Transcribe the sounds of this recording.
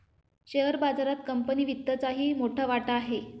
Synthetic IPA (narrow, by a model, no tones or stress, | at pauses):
ɕeɦəɾbad͡zaɾat̪kəmpəniːʋit̪ːət͡saɦiːmoʈʰaʋaʈaːɦe